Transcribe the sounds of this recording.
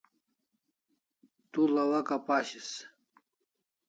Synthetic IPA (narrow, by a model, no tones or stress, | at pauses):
t̪ulɐwakapaɕis